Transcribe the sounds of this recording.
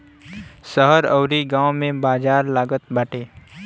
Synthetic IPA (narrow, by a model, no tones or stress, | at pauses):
səɦəɾəːɾiɡãːwmẽbaːd͡ʒaːɾlaːɡət̪baːʈeː